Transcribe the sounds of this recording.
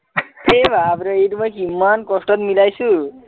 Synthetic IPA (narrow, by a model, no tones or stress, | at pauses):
ebʱabɾɔejtumojkimːankɔsʈɔt̪milajsu